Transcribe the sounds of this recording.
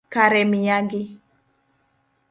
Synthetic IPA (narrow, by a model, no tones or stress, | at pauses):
kaɾɛmijaɡi